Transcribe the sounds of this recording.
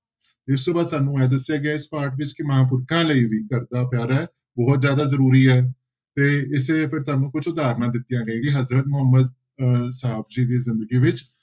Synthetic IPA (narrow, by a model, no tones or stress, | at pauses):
t̪eːʊst̪õːbaːd̪saːnũːɛːd̪əsːɪjaːɡɪaːɪspaːɾʈʋɪt͡ʃkɪməɦãːp̬ʊɾkʰãːləiːʋiːkəɾd̪aːpjaːɾaɛː | bɔːt̪zjaːd̪aːzəɾuːɾiːɛː | t̪eːɪseːpʰɪɾt̪aːnːũːkʊt͡ʃʰʊd̪aːɾnãːd̪ɪt̪ːijãːɡəẽːɡiːɦəzɾət̪mʊɦəmːəd̪̚ | saːb̚d͡ʒiːd̪iːzɪnd̪əɡiːʋɪt͡ʃ